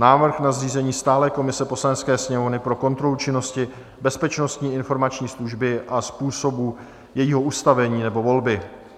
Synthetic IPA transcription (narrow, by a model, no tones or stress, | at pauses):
naːvr̩xnazriːzɛɲiːst̪aːlɛːko̞mɪsɛpo̞slanɛt͡skɛːsɲɛɦovnɪpɾo̞ko̞nt̪ɾo̞lut͡ʃɪno̞scɪ | bɛspɛt͡ʃno̞st̪ɲiːɪnfo̞ɾmat͡ʃɲiːsluʒbɪʔaspuːso̞bu | jɛjiːɦo̞ust̪avɛɲiːnɛbo̞vo̞lbɪ